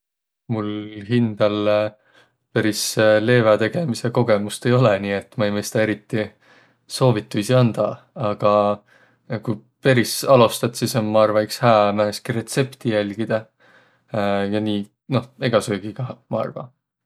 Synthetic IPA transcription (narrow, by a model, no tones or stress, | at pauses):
mulɦind̪̥ɑl | peɾisle̞ːvɑt̪e̞ɡ̥e̞mise̞ko̞ɡe̞must̪e̞jo̞leniːe̞t̪ːˑmɑejmɤjst̪ɑːeɾit̪ːi | so̞ːvit̪ːˑusiɑnd̪̥ɑ | ɑɡ̥ɑ | kujpeɾisɑlust̪ɑt̪sismɑɑrvɑikshæːmæeskiɾe̞t̪se̞pt̪ijælʲɡ̥id̪̥ɑ | jɑniː | no̞he̞ɡ̥ɑsøːɡ̥iɡ̥ɑmɑɑ̰rvɑ̰